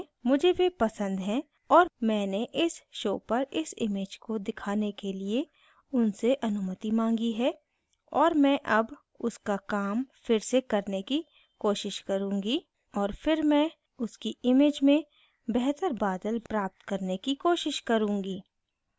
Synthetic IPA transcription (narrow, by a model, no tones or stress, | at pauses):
mʊd͡ʒʱeʋepɐsə̃nd̪ɦɛ̃ | ɔːɾmɛ̃ːneʔɪsʃoːpɐɾɪsɪ̰meːd͡ʒkod̪ɪkʰaːnekelie | ʊnseʔɐnʊmət̪imãːŋɡiɦɛː | ɔːɾmɛ̃ʔɐb | ʊskakaːmfɪɾsekɐɾneki | koːʃɪʃkɐɾũːŋɡi | ɔːɾfɪɾmɛ̃ | ʊskiɪmeːd͡ʒmẽ | bɛɦt̪əɾbaːd̪əlpɾaːp̚t̪kɐɾnekikoːʃɪʃkɐɾũːŋɡiː